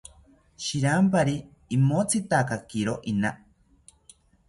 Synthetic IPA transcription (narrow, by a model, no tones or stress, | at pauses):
ʃiɾampaɾiː | mot͡sʰit̪akakiɾoʔina